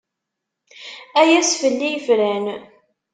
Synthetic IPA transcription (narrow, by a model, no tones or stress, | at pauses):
æjæsfəlːijfɾæn